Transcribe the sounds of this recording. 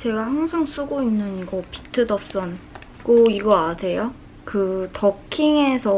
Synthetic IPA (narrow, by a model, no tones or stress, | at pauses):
t͡ɕe̞ɡahaŋsʰaŋs͈uɡoinːɯniɡʌpi̥tʰɯdʌs͈ɯn | k͈oiɡʌasʰe̞jo | kɯtʌkʰiŋe̞sʰʌ